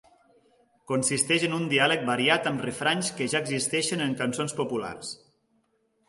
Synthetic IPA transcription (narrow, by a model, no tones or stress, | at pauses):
kunsist̪ɛʒənund̪ialək̚baɾiat̪əmrəfɾaɲskəʒaəɡzist̪ɛʃənəŋkansonspopula̰rs